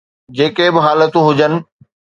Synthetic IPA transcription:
d͡ʑeːkebɪɦaːlət̪ũɦʊd͡ʑənɪ̆

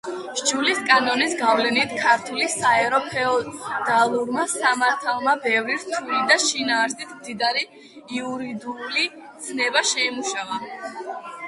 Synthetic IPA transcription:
ʒ̥d͡ʒuliskʼanɔnisɡavlɛnit̪ʰkʰaɾt̪ʰulisaɛɾɔpʰɛɔd̪̥alˠuɾmasamaɾt̪ʰalˠmabɛvɾiɾt̪ʰuilid̪aʃinaːɾsit̪ʰmd̪id̪aɾiː | uɾid̪uli | t̪sʰnɛbaʃɛimuʃava

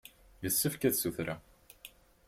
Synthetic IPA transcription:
jəsːəfkæðsuθɾa

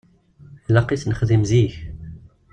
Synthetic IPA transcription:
lɑqiθnəχðimziç

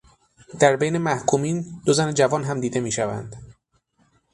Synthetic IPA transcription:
d̪̥æɾbejne̞mæhkʰuːmiːnd̪ozæned͡ʒævɒːnɦæmd̪iːd̪e̞miːʃævæ̰nd̪̥

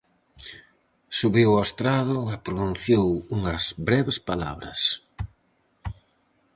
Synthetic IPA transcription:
suβiwast̪ɾaðʊɛpɾonũnθjowuŋɐzbɾɛβespala̰βɾɐ̰s

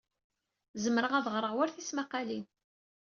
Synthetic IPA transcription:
zəmɾəʁæðʁɾˤəʁwæɾθismaqːalin

